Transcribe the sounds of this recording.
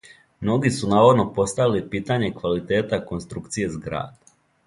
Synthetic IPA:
mno̞ɡisunaːʋad̪no̞po̞st̪aʋilipiːt̪aɲe̞kʋalit̪e̞ːt̪ako̞nst̪ɾukt̪sije̞zɡɾa̰ːd̪̥

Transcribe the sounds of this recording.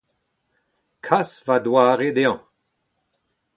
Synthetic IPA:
kʰasvad̪waːʁed̪eɑ̃

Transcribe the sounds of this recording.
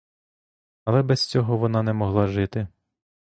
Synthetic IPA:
ɐlˠɛbɛst͡sʲɔɦɔʋɔnɑnɛmɔɦlˠɑʒɪt̪ɪ

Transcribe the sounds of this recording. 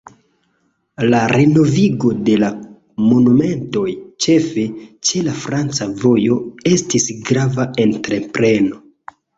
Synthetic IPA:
laɾeno̞viɡo̞de̞la | mo̞nume̞nto̞jt͡ʃe̞fe̞t͡ʃe̞lafɾant͡savo̞jo̞e̞stisɡɾavae̞ntɾe̞pɾe̞no̞

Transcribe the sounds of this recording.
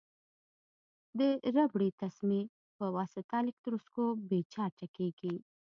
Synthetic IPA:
d̪əɾabɽit̪asmi | pəwɑsɪt̪ɑlɪk̚t̪ɾuskobet͡ʃɑʈakeɡi

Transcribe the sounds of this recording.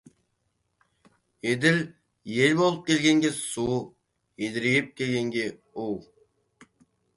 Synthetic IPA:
ed̪ɪl | jelbolˠəp̚kʲelʲɡʲeŋɡʲesu | ed̪ɪɾeɡʲɪp̚kʲʰelʲɡʲeŋɡʲe | uw

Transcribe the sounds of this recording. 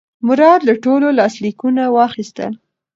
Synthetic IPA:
mʊɾɑd̪laʈololɑslikunawɑxist̪ə̰l

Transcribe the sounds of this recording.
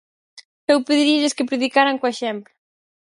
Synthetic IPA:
ewpeðiɾieʎɪskɪpɾeðikaɾaŋkoeʃɛmplʊ

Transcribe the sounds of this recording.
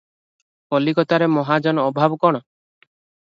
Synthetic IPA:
pɔlikɔt̪aɾemɔɦad͡ʒɔnɔbʱabkɔɽ̃ɔ

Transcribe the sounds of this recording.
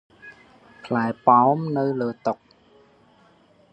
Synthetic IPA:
pʰlaɛpaɔmnɨwləːt̪ʊk̚

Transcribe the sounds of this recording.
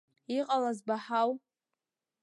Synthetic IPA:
iqʼalazbaħaw

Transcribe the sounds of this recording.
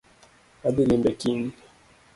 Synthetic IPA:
abilimbɛkini

